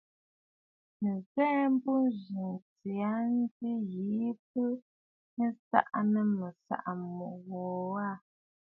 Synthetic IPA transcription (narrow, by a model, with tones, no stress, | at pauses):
n̩˨zɛː˦m˦bu˦n˦ʒi˨ŋt͡si˨a˦n̩˦ti˦ɣi˨˦p̚ə˦ | sa̰˦ʔnə˦˨mə˨sa̰˦˨ʔa˨mu˨ʔwɔ˨a˦˨